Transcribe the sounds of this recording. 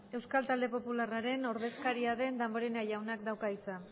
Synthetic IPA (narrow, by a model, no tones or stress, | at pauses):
e̞wskalt̪ald̪e̞po̞pularaɾe̞no̞ɾðe̞skaɾiaðe̞nd̪amboɾe̞najawnak̚d̪awkait͡sa